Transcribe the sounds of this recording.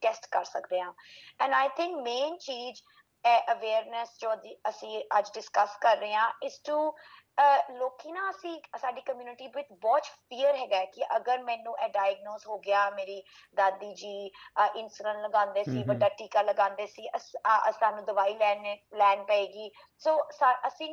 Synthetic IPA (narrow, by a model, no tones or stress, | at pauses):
ʈɛsʈkəɾsəkd̪eːãː | ɛ̃ːnaːɪt̪ʰɪ̃ŋkmeːnt͡ʃiːd͡ʒ | ɛʔəʋeːɾnɛsd͡ʒõːiəsĩːəd͡ʒɖɪskəskəɾːəeãːʔɪzʈu | loːkiːnãːəsĩːsaːɖiːkəmjuːnɪʈiːʋɪt̪bɔːt͡ʃpiːəɾɦɛːɡaːkɪʔəɡəɾmɛ̃ːnũːʔɛːɖaːjəɡnoːzɦoːɡɪaːmeːɾiː | d̪aːd̪iːd͡ʒiːʔɪnsʊlə̃nləɡãːnd̪eːsiːʋəɖaːʈiːkaːləɡãːnd̪eːsiːʔəsət̪aːnũːd̪əʋaːiːlɛːnelɛːnpəeːɡiː | soːsaʔəsĩː